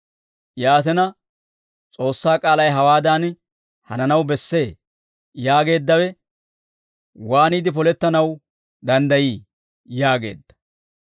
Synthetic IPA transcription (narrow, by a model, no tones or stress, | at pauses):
jaːt̪ɛnɐ | t͡sʼo̞ːsːaːkʼaːlɐjɦɐwaːd̪an | hɐnɐnɐwbɛsːe̞ː | jaːɡe̞ːd̪ːɐwɛ | waːniːd̪ɪpɔlɛt̪ːɐnɐw | d̪ɐnd̪ɐjiː | jaːɡe̞̰ːd̪ːɐ̥